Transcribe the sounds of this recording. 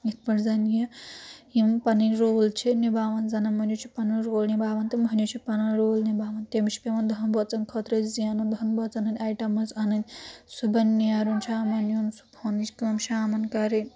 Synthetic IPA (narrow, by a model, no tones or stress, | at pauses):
it̪̚ʰpɐɾzɐnjɐ | impɐninɾoːlt͡ʃʰinibaːʋɐnzɐnɐmɐnʲjot͡ʃʰipɐnɐɾoːlnibaːʋɐnt̪emɐnʲjot͡ʃʰipɐnɐnɾoːlnibaːʋɐnt̪emit͡ʃʰi̥pʲemɐnd̪ʱɐnbɔt͡sɐnkʰɐt̪ɾɐzianɐnd̪ʱɐnbɐt͡sɐnɐnʲaːjʈɐmɐzɐnɐnʲsubɐnːijaːɾunt͡ʃʰaːmɐnjonsu̥bʰonit͡ʃkiɐmʃaːmɐnkɐɾe